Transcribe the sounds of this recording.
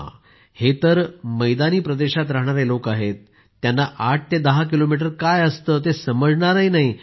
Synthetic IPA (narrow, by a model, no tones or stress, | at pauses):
het̪əɾməjd̪aniːpɾəd̪eɕat̪̬ɾaɦɳ̃aɾelokaɦet̪ː | janːaʔaʈ̚t̪ʰed̪əɦak̬ilomiʈ̬əɾkajəst̪əːt̪̬esəməd͡zɳaɾəinaɦi